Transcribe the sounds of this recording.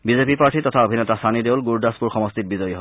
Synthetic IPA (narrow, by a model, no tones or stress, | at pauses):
bizepipaɹtʰitɔtʰaobʱinɔtasanidewlɡuɹdaspuɹxɔmɔstit̚bizɔjiɦɔ